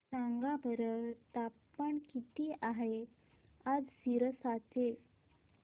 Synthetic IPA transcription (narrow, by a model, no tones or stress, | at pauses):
saŋɡabʱəɾət̪apːəɳkit̪iːʔaɦe | ad͡zsiɾəsat͡se